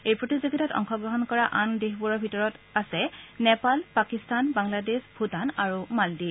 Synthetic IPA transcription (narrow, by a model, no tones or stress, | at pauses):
ejpɹotizoɡitatɔ̰ŋxɔɡɹɔɦɔnkɔɹaʔandexbuɹɔɹbʱitɔɹɔtasɛnɛpalpakistanbaŋladesbʱutanaɹumaldi